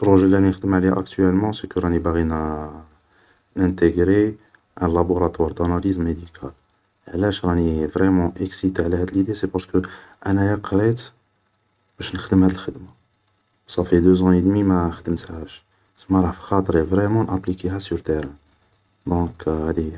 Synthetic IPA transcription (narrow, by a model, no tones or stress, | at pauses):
pɾoʒelːæninəxd̪əmʕleʔækt̪yɛlmɑ̃sekəɾˤɑnibaɣin | næ̃nt̪eɡɾe | ʔæ̃laboɾɑt̪wɑɾˤd̪anɑlizmːed̪ikʰal | ʕlæʃɾˤɑnivʁɛmɑ̃ʔəksit̪eʕlæhæd̪əlid̪esepɑɾsə̥kəʔænæjɑqɾet̪ | b̥æʃnəxd̪əmhæd̪əlxəd̪ma | sɑfid̪øzɑ̃əd̪mimæxd̪əmt̪hæʃ | smæɾˤɑħfi̥xɑt̪ɾevʁɛmɑ̃nʔæplikeɦæsyɾt̪eɾæ̃ | d̪ɔ̃khæd̪i